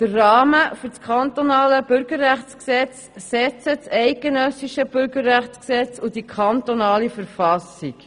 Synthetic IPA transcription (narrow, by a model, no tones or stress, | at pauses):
d̪̥ərːɑːməfyɾt͡skʰɑnt̪onɑːləb̥ʏɾɡəɾæχt͡sksɛt͡s | sɛt͡sət͡sɛɪɡ̥enœsiʃəb̥ʏɾɡəɾːæχt͡sksɛt͡sud̥ikʰɑnt̪onɑːlifəɾfɑsik